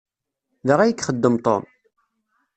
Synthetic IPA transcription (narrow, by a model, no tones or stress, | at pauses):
ðəʁæjəkːχəd̪ːəmt̪ˤo̰m